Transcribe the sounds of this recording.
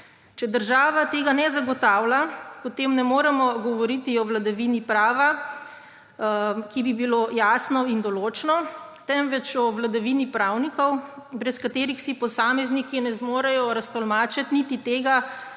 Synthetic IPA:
t͡ʃɛd̪əɾʒaːʋat̪eːɡanɛzaɡɔt̪aːwlapɔt̪emnɛmoːɾɛmɔɡɔʋɔɾit̪iɔʋlad̪aʋinipɾaːʋa | kibibiloːjaːsnɔind̪ɔloːt͡ʃnɔt̪ɛmʋɛt͡ʃɔʋlad̪aʋinipɾawnikɔwbɾɛskat̪eːɾixsipɔsaːmɛznikinɛzmoːɾajɔɾast̪ɔlmaːt͡ʃat̪nit̪it̪eːɡa

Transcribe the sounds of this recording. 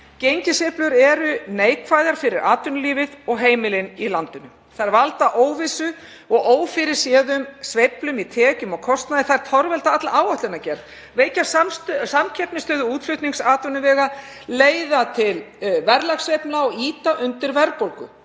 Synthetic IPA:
cejɲcɪseplʏɾɛɾʏneːjkʰvajðaɾ̥fɪɾɪɾa̰ːt̪ʏnʏliːvɪðɔɣɦeːjmɪlɪnilant̪ɪnʏ | θaɾvalt̪aʔoːwvɪsʏ | ɔɣoːwfɪɾɪɾ̥sjɛːðʏmsvejplʏmit̪ʰɛːcʏmɔɣkʰɔst̪naðɪθaðɾ̥t̪ʰɔɾvɛlt̪aat̪laʔaːwaht̪ɪnacɛɾð | veːjcassamcʰɛpnɪst̪œːðʏuːt̪fʏht̪niŋsaːt̪ʏnʏvɛːɣa | leːjðat̪ʰɪl | vɛɾlaxsvejpnaɔɣiːt̪aʔʏnt̪ɪɾvɛɾpolkʏ̰

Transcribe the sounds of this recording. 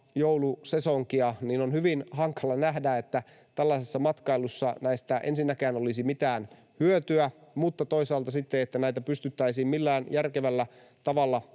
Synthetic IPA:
jowlusesoŋkiɑniːnonhyʋinhɑŋkɑlɑnæhdæet̪ːæ | t̪ælːæisesːɑmɑt̪kɑilusːɑnæist̪æʔḛnsinːækæːnolisimit̪æːn | hyøt̪yæmut̪ːɑt̪oisɑːlt̪ɑsit̪ːeet̪ːænæit̪æpyst̪yt̪ːæisiːmmilːæːnjærkeʋælːæ | t̪ɑʋɑlːɑ

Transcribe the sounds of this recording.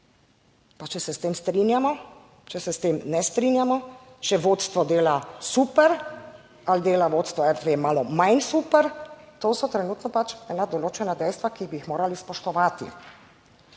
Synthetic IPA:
pat͡ʃɛsɛst̪eːmst̪ɾinjamɔ | t͡ʃɛsɛst̪eːmnɛst̪ɾiːnjamɔt͡ʃɛʋoːt̪st̪ʋɔd̪eːlasuːpɛɾ | ald̪eːlaʋoːt̪st̪ʋɔɛɾt̪ʋeːmaːlɔmajnsuːpɛɾt̪oːsɔt̪ɾɛnuːt̪nɔpat͡ʃɛːnad̪ɔloːt͡ʃɛnad̪ɛjst̪ʋakibiixmoːɾalispɔʃt̪ɔʋaːt̪ḭ

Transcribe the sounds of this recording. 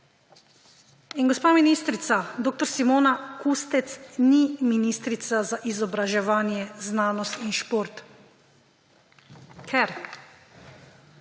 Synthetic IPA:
inɡɔspaːminist̪ɾit̪sad̪oːk̚t̪ɔɾsimoːnakust̪ɛt̪sniminist̪ɾit̪sazaʔizɔbɾaʒɛʋaːnjɛznaːnɔst̪inʃpoːɾt̪ | kʰɛɾ

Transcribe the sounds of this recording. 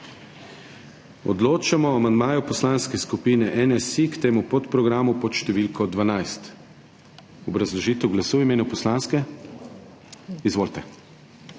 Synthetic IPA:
ɔ̰d̪loːt͡ʃamɔamand̪maːjɔpɔslanskɛskupiːnɛʔɛnɛsikt̪eːmupɔt̪pɾɔɡɾamupɔt̪ʃt̪ɛʋiːlkɔd̪ʋanajst̪ | ɔbɾazlɔʒiːt̪ɛwɡlasuːwimeːnupɔslanskɛ | izʋoːlt̪ɛ

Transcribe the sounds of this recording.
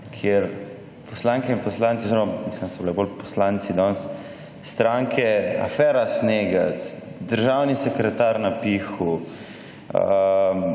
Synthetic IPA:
kʰjeɾ | pʰɔslaŋkɛinpɔslant̪ioziɾomamisləmsɔbilɛbolpɔ̥slant̪sid̪ɔnsː | t̪ɾaŋkʰɛa̰fɛːɾasneːɡət̪d̪əɾʒawnisɛkɾɛt̪aɾnapixu

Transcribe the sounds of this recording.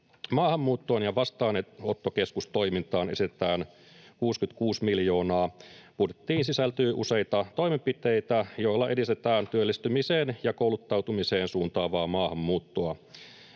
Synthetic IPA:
mɑːhɑmːuːt̪ːoːnjɑʋɑst̪ɑːneo̞t̪ːoke̞skust̪o̞jmint̪ɑːne̞sit̪et̪æːn | kuːskyt̪kuːsmiljo̞ːnɑːpuht̪et̪ːiːnsisælt̪yːʔṵse̞jt̪ɑt̪o̞jmempit̪ejt̪æjo̞ilːɑʔe̞dist̪et̪æːnt̪yølːist̪ymiseːnjɑkoulut̪ːɑwt̪umise̞ːnsuːnt̪ɑːʋɑːmɑːhɑmːuːt̪ːoɑ

